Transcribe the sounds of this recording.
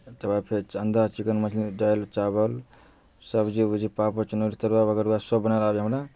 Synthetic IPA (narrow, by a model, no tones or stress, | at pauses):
t̪əbapʰeɾt͡ʃənd̪at͡ʃikənmət͡ʃʰliɖajlt͡ʃabəl | səbd͡ʒibud͡ʒipapot͡ʃənoɾit̪əɾwabəɡəɾuwasəbːənalabiɦəmɾa